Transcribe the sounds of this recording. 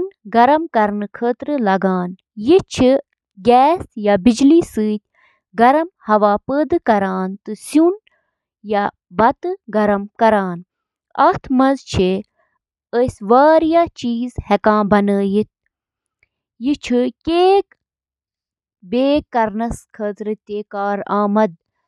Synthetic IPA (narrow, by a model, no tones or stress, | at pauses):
nɡɐɾɐmkɐɾnɨkʰəːt̪ɾɨlɐɡaːn | jit͡ʃʰi | ɡʲɛːsjabid͡ʒlisɨːt̪ʲ | ɡɐɾɐmhɐʋaːpəːd̪ɨkɐɾaːnt̪ɨsun | ja | bɐt̪ɨɡɐɾɐmkɐɾaːn | ɐ̰t̪ʰmɐzt͡ʃʰi | əsʲʋaːɾjat͡ʃiːzhɛkãːbɐnəːjit̪̚ʰ | jit͡ʃʰikʲeːk | beːkɐɾnɐskʰəːt̪ɾɨt̪ekaːɾaːmɐd̪̚